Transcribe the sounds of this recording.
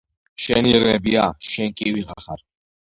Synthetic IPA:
ʃɛniɾnɛbiaʃɛnkʼiwiʁaχaɾ

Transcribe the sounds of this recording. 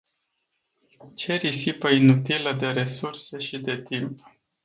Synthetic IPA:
t͡ʃe̞ɾisipəinut̪iləd̪e̞ɾe̞surse̞ʃid̪e̞t̪imp

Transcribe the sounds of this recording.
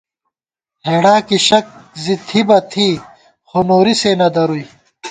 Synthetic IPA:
heːɽaːkiɕɐk̚zit̪ʰibɐt̪ʰiː | xonoːɾisenɐd̪ɐɾui

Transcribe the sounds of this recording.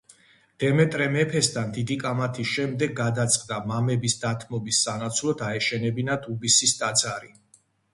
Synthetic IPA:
d̪̥ɛmɛt̪ʼɾɛmɛpʰɛst̪ʰand̪id̪ikʼamat̪ʰisʃɛmd̪ɛɡːad̪at̪sʼqʼd̪amamɛbisd̪at̪ʰmɔbisːanat̪sʰwlˠɔd̪aɛʃɛnɛbinat̪ʰubisist̪ʼad̪zaɾi

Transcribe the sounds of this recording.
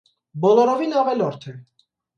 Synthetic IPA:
bɔlɔɾɔvinɑʁɛlɔɾt̪ʰɛ

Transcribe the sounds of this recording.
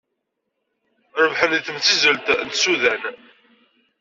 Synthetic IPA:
ɾəvħəniθəmt͡sːizəlt̪nt̪suðæn

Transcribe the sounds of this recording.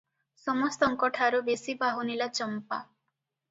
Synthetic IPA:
sɔmɔst̪ɔŋkɔʈʰaɾubesibaɦunilat͡ʃɔmpa̰

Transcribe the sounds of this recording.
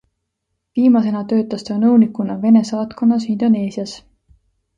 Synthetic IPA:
viːmɑs̬e̞nɑt̪ø̞ːt̪ːˑɑst̪enɤwnikˑunɑve̞ne̞sɑːt̪ko̞nːɑsind̪̥o̞ne̞ːsiɑs

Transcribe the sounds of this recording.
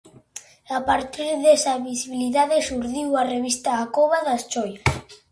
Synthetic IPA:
apaɾt̪iɾðesaβisiβiliðaðesuɾðiwareβist̪aːkoβaðast͡ʃɔjas

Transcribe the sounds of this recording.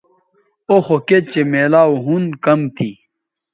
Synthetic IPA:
oxoket͡ɕemeːlaːuɦunkɐmt̪ʰi

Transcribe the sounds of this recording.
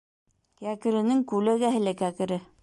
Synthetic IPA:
kækɘ̆ɾɘ̆nɘŋkʉlæɡæɦɘ̆lækækɘ̆ɾɘ

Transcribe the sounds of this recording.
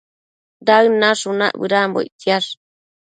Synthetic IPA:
d̪aɨnaʂuna̰ʔbɨɾambo̰jt̪ia

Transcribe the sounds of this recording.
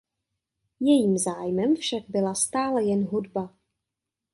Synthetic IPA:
jɛjiːmzaːjmɛmfʃaɡ̚bɪlast̪aːlɛjɛnɦudba

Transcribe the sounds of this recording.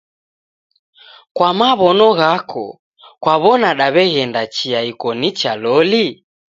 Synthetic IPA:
kwamaβɔnɔɣakʰɔ̰ | kwaβɔnaɗaβɛɣɛndat͡ʃiaikɔnit͡ʃalɔli

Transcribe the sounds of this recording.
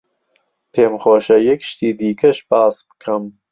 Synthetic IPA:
pʰeːmxoːʃɐjɛkʃt̪iːd̪iːkʰɐʃpɑːsbɨ̥kʰɐm

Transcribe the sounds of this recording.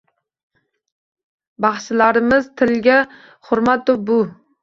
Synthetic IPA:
bɑχʃɪlaɾɪmɪzt̪ʰɪlɡʲa | hʊɾmat̪̚d̪ʊbʊ

